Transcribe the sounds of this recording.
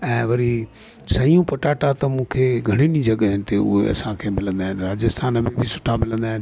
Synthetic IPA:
ɛ̃ːʋɐɾi | sɐijũpɐʈaːʈat̪ɐmũːkʰeɡʱɐɽ̃inid͡ʑʱɐɠəɦɪnɪ̆t̪eʊ̰ɦḛɐ̰sãkʰeːmɪlə̃nd̪aːɦɪnɪɾaːd͡ʑəst̪aːnəmẽbʱisʊ̥ʈʰamɪlə̃nd̪aːɦɪnɪ

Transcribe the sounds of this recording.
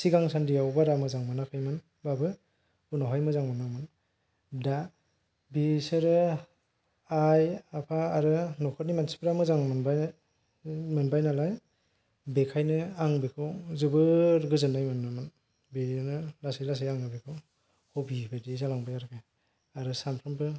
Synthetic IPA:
siɡaŋsandijawbaɾamɯzaŋmanakʰɯjmɯn | babɯ | unɔɦajmɯzaŋmanamɯn | da | bisɯɾɯ | ajapʰaaɾɯnɔkʰɔt̚nimansi̥pʰɾamɯzaŋmɯnba | mɯnbajnalaj | bekʰajnɯaŋbikʰɯwzɯbɯɾɡɯzɯnːajmɯnːɯmɯn | binɯlasajlas̬ajaŋɯbikʰɯw | hobibʰɯdizalaŋbajaɾkʰaj | aɾɯsampʰɯnpɯ

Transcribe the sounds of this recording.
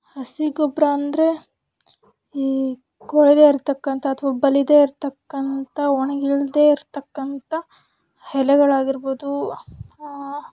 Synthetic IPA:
ɐsiɡɔbɾɐɐnd̪ɾe̞ | kɔɭɛd̪eːiɾt̪ɐkːɐnt̪ɐːt̪ʰʋaːbɐlid̪eːiɾt̪ɐkːɐnt̪ɐɔɳɐɡiɭd̪e̞ːiɾt̪ɐkːɐnt̪ɐ | hɛlɛɡɐɭaːɡiɾboːd̪u

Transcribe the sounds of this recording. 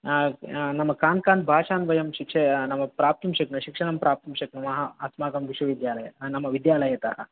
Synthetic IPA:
nɐmɐkaːnkaːnd̪̚bʱaːʂaːnʋɐjɐmɕikʂenɐmɐpɾaːp̚t̪umɕiknɐɕikʂɐnɐmpɾaːp̚t̪umɕiknɐmɐɦɐɐsmaːkɐmʋiʃʋɐʋid̪jaːlɐjɐnɐmɐʋid̪jaːlɐjet̪a̰ːɦɐ̰

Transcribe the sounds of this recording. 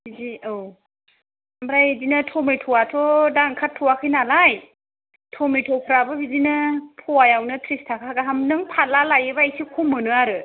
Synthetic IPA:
biziow | amɾajedinɯtʰɔmejtʰɔwatʰɔdaŋkʰatʰːɔwakʰɯjnalaj | tʰɔmijtʰɔpʰɾabɯbidinɯpʰɔwajawnɯtʰɾistʰakʰaɡaɦamnɯŋpʰalalajɯbaesikʰumːɯnɯaɾɯ

